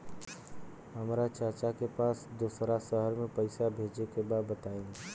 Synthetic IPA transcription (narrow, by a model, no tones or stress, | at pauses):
ɦəmɾat͡ʃaɾt͡ʃakepaːsd̪uːsɾasəɦəɾmẽpəɪsabʱeːd͡ʒekebaːd̪̚bət̪aːẽ